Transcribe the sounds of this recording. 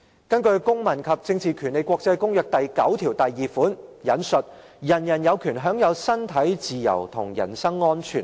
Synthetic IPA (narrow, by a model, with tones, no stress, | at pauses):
kɐ˥nkɵ˧ɥkʊ˥ŋmɐ˨˩nkʰɐ˨p̚t͡sɪ˧ŋt͡sʰiː˨kʰyː˨˩nle˨jkʷɔː˧k̚t͡sɐ˧jkʊ˥ŋjœː˨k̚t̪ɐ˨jkɐ˨˥wt̪ʰiː˨˩wt̪ɐ˨jːiː˨˩fuː˨˥njɐ˨˥nsɵ˨t̚ | jɐ˨˩njɐ˨˩njɐ˨˧wkʰyː˨˩nɦœː˨˥ŋjɐ˨˧wsɐ˥nt̪ʰɐ˨˥jt͡siː˨jɐ̰˨˩wt̪ʰʊ˨˩ŋjɐ̰˨˩nsɐ˥ŋːɔː˥nt͡ʃʰyː˨˩n